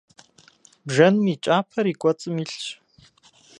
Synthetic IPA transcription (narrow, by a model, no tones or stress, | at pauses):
bʒɐnmit͡ʃʼaːpʰɐɾikʷʼɔt͡sʼɨmiːɬt͡ʃʰʼ